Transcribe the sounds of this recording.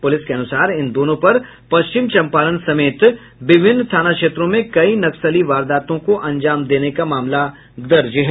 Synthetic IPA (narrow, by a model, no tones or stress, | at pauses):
pʊlɪskeɐnʊsaːɾɪnd̪oːnõpɐɾ | pɐst͡ʃɪmt͡ʃɐ̃mpaːlənsɐmeːt̪ | bɪbʱɪnːt̪ʰaːnakʃeːt̪ɾõmẽkɐinɐksəliʋaːɾd̪aːt̪õkoʔɐ̃ɲd͡ʒaːmd̪eːnekamaːmla | d̪ɐɾd͡ʒɦɛ